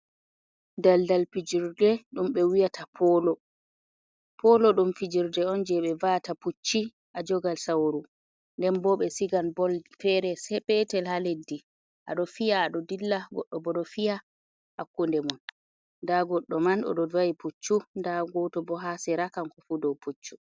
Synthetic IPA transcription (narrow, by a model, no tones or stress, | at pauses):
daldalpid͡ʒiɾdɛɗumɓɛwijatʰapʰɔlɔ | pʰɔlɔɗumfid͡ʒiɾdɛɔnd͡ʒɛɓɛvataput͡ʃːi | ʔad͡ʒɔɡalsawɾu | ndɛnbɔɓɛsiɡanbɔlfɛɾɛsɛɓɛtɛlhaledːi | ʔa̰ɗɔfijaːɗɔdilːaɡɔ̰ɗːɔbɔɗɔfija | hakːundɛmun | ndaɡɔɗːɔmanɔ̰ɗɔvaiput͡ʃːundaɡɔtɔbɔɦasɛɾakankɔfudɔwput͡ʃːu̥